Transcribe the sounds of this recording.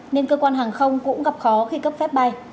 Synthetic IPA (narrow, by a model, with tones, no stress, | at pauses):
ne˧nkəː˧kwaː˧nɦaː˨˩ŋxə˧wŋ͡mkʊ̰˧˥ŋ͡mɣa˨˩p̚xɔ˨˦xi˧kə˦˥p̚fɛ˦˥p̚ɓa˧j